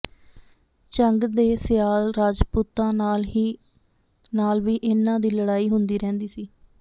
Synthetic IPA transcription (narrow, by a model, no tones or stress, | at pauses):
t͡ʃəŋɡd̪eːsɪjaːlɾaːd͡ʒpuːt̪ãːnaːli | naːlʋiːʔɪnːãːd̪iːləɽaːiːɦʊnd̪iːɾɛ̃ːnd̪iːsiː